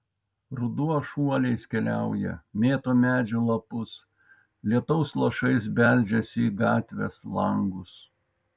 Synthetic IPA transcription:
ɾʊd̪uɔʃuɔlʲɛɪskʲɛlʲæˑʊjɛ̰mʲeːt̪oːmʲæːd͡ʒʲʊlˠɐpʊs | lʲiɛt̪ɔʊslˠɐʃɐɪsbʲælʲd͡ʒʲɛsʲɪiːɡɑːt̪ʲʋʲɛ̰slˠɐŋɡʊs

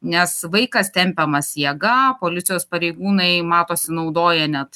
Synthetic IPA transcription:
nʲɛsʋɐɪkɐst̪ʲɛmʲpʲɛmɐsjɛɡɐpoːlʲɪt̪sʲɪjoːspɐɾʲɛɪɡuːnɐɪmɑːt̪oːsʲɪnɐʊd̪oːjɛnʲɛt̪

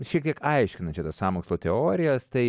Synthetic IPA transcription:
ʃʲiɛkt̪ʲiɛkɐɪʃʲkʲɪnɐt͡ʃʲɪt̪ɐsɑːmoːkslˠoːt̪ʲɛoːɾʲɪjɛst̪ɐɪ

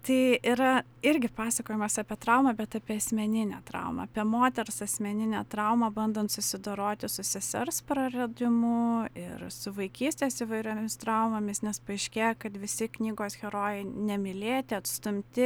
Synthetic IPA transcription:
t̪ɐɪɪɾɐ | ɪɾʲɡʲɪpɑːsɐkoːjɛmɐsɑːpʲiɛt̪ɾɐʊmɐːbʲɛt̪ɐːpʲiːɐsʲmʲɛnʲɪnʲæ̰ːt̪ɾɐ̰ʊmɐ̰ɐpʲiɛmoːt̪ʲɛɾsɐsʲmʲɛnʲɪnʲɛ̰ːt̪ɾɐʊmɑbɐnd̪oːnt̪sʊsʲɪd̪oɾoːt̪ʲɪsʊsʲɛsʲɛrspɾɐɾʲɛd̪ʲɪmʊɪ̰ɾsʊʋɐɪkʲiːsʲt̪ʲeːsɪʋɐɪɾʲoːmʲɪst̪ɾɑʊmɐmʲɪsnʲɛspɐɪʃʲkʲeːjɛkɐt̪ʋʲɪsʲɪknʲiːɡoːsxʲɛɾoːjɛɪnʲɛmʲɪlʲeːt̪ʲɪɐt̪st̪ʊmʲt̪ʲɪ

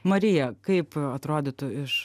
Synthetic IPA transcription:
mɐɾʲɪjɛkɐɪpɐt̪ɾoːd̪ʲɪt̪ʊɪʃ

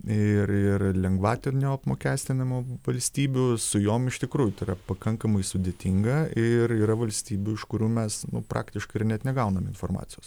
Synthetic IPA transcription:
ɪɾɪrlʲɛŋɡʋɑːt̪ʲenʲːɐpmoːkʲæːsʲt̪ʲɪnʲɐmuʋɐlʲsʲt̪ʲiːbʲʊsʊjoːmɪʃt̪ʲɪkɾuːjʊt̪ɐɪɾɐpɐkɐŋkɐmɐɪsʊd̪ʲeːt̪ʲɪŋɡɐɪriːɾɐʋɐlʲsʲt̪ʲiːbʲʊɪʃkʊɾʲuːmʲɛsnʊpɾɑ̰ːkt̪ʲɪʃkɐɪɪrnʲɛt̪nʲɛɡɐʊnɐmɪnfoːrmɑ̰ːtt͡ssʲɪjoːs

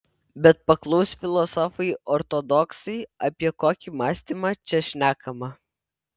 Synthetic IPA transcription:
bʲɛt̪̚pɐklˠɔʊsʲfʲɪlˠɔsɔfɐɪʔɔɾt̪ɔd̪ɔksɐɪɐpʲiɛkoːkʲimɑːsʲt̪ʲimɑt͡ʃʲɛʃʲnʲæːkɐmɐ

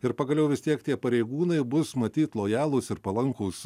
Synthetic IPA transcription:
ɪɾpɐɡɐlʲɛʊʋʲɪst̪ʲiɛkt̪ʲiɛpɐɾʲɛɪɡuːnɐɪbʊsmɐt̪ʲiːt̪lˠoːjæːlˠʊsɪɾpɐlˠɐŋkʊːs

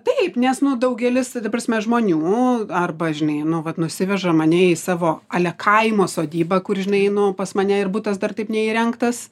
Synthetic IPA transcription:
t̪ɐɪpnʲɛsnʊd̪ɐʊɡʲɛlʲɪst̪ɐprɐsʲmʲɛʒmoːnʲuːɐrbɐʒʲɪnɐɪnʊʋɐt̪nʊsʲɪʋʲɛʒɐmɐnʲɛɪsɑːʋoːɑːlʲɛkʰɐɪmoːsoːd̪ʲiːbɐkʊrʒʲɪnɐɪnʊpɐsmɐnʲɛɪrbuːt̪ɐsd̪ɐrt̪ɐɪpnʲɛiːɾʲɛŋkt̪ɐs

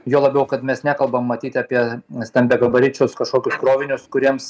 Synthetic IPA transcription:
joːlˠɐbʲɛʊkɐt̪mʲɛsnʲæːkɐlˠbɐmːɐt̪ʲiːt̪ʲɐpʲiɛsʲt̪ʲɛmʲbʲɛɡɐbɐɾʲɪt͡ʃʲʊskɐʃkoːkʲʊskɾoːʋʲɪnʲʊskʊɾʲiɛms

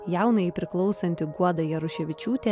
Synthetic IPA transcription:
jæˑʊnɐpʲɾʲɪklˠɒʊsɐnʲt̪ʲɪɡuɔd̪ɐjɛɾʊʃʲɛʋʲɪt͡ʃʲuːt̪ʲɛ

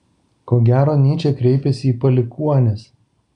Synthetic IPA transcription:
koːɡʲæːɾoːnʲiːt͡ʃʲɛkɾʲɛɪpʲɛsʲɪiːpɐlʲɪkuɔnʲes

